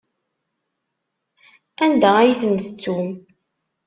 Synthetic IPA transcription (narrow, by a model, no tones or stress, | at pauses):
ænd̪ææjiθənt̪ə̥t͡sːum